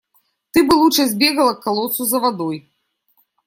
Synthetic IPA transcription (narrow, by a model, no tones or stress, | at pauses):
t̪ɨbɨlˠut͡ʃazʲbʲɛɣɐlˠɐkːalˠɔt̪suzɐvad̪ɔj